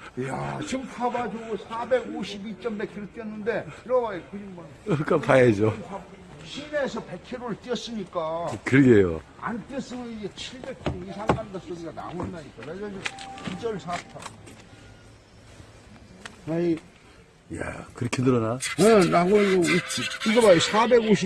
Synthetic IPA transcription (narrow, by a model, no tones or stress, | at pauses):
jaɕʰimpʰabad͡ʑoɡosʰabe̞ɡoɕʰibit͡ɕ͈ʌmbe̞kʰeɾot͈ijʌnːɯnde̞iɾʌɡaekɯɲimma | k͈apajed͡ʑopʰa | ɕʰine̞sʰʌpe̞kʰeɾoɾɯɭt͈iʌs͈ɯmɲik͈akɯɾɡejo̰ | a̰nt͈es͈ʌmɯnid͡ʑet͡ɕʰiɭbe̞k̚kʰoisʰaŋmandas͈oɡiɡana̰ɡondaik͈aɾeɡaikid͡ʑʌɭsʰatʰa | ai | ja̰kɯɾʌkʰinɯɾʌnaenaɡooiiɡʌbaosʰabe̞ɡoɕʰi